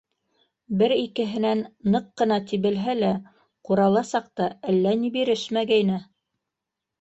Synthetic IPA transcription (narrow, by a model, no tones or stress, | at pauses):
bɘɾikɘ̆ɦɘ̆nænːɤqːɤ̆nɑt̪iβɘ̆lɦælæ | quɾɑlˠɑsɑq̚t̪ɑælːænibiɾɘʃmæɡæjnɘ